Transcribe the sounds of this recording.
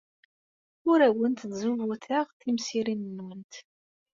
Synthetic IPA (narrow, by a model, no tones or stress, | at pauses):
ʊɾæwənt̪nzuvuθaʁθimsiɾinnːwənt̪